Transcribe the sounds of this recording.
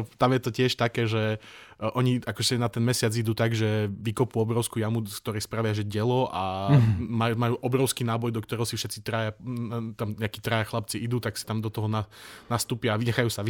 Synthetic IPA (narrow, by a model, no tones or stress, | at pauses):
t̪amjɛt̪ɔcɪɛʃt̪akɛːʒɛ | ʔɔɲiakɔʒɛsɛnat̪ɛnmɛsɪad͡zid̪uːt̪aɡʒɛʋikɔpuɔbɾɔʊskuːjamukt̪ɔɾɛjspɾaʋɪaʒɛɟɛlɔʔa | majmajuːʔɔbɾɔʊskiːnaːbɔjd̪ɔkt̪ɔɾɛɦɔsifʃɛt̪t͡sit̪ɾaːjat̪amɲɛakiːt̪ɾaːjaxlap̚t͡siʔid̪uːt̪aksi̥t̪amd̪ɔt̪ɔɦɔnanast̪uːpɪaːʋiɲɛxajuːsaʋi